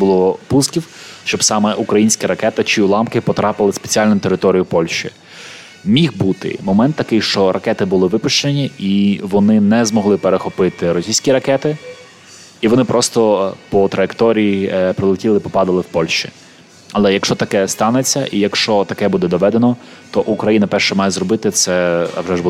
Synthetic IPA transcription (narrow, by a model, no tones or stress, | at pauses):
bʊlˠɔpuskʲiwʃt͡ʃɔbsɑmɛʔukɾɐjinʲsʲkɐɾɐkɛt̪ɐt͡ʃɪulˠɑmkɪpɔt̪ɾɑpɪlˠɪspe̥t͡sʲiɑlʲnʊt̪e̞ɾɪt̪ɔɾʲijʊpɔlʲʃt͡ʃḭ | mʲixbut̪ɪ̰mɔmɛnt̪ːɐkɪjʃt͡ʃɔɾʔɐkɛt̪ɪbʊlˠɪʋɪpʊʃt͡ʃenʲiiʋɔnɪnɛzmɔɦlˠɪpeɾexɔpɪt̪ɪɾɔsʲijsʲkʲiɾɐkɛt̪ɪ | iʋɔnɪpɾɔst̪ɔpɔt̪ɾɐjekt̪ɔɾʲijipɾɔlˠɪtʲilˠɪpɔpɑd̪ɐlˠɪwpɔlʲʃt͡ʃḭ | ɐlˠɛjɐkʃt͡ʃɔt̪ɐkɛst̪ɑnet͡sʲːɐʔijɐkʃt͡ʃɔt̪ɐkɛbud̪ɛd̪ɔʋɛd̪enɔ | t̪ɔʔukɾɐjinɐpɛrʃt͡ʃɛmɑjɛzrɔbɪt̪ɪt̪sɛɐ̰ʋʒɛʒbu